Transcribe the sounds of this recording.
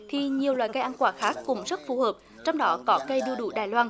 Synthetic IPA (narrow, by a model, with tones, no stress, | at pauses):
t̪ʰi˨˩ɲi˨˩əwlwaː˧˨jka˧jʔaː˧nkwaː˧˩xaː˦˥kːʊ̰˧˥ŋ͡mzə˦˥t̚fu˨˩həː˨˩p̚ | t͡ɕɔ˧wŋ͡mɗɔ˨˦kɔ˨˦kə˧jɗɨ˧əɗṵ˧˩˦ɗaː˧˩jlwaː˧n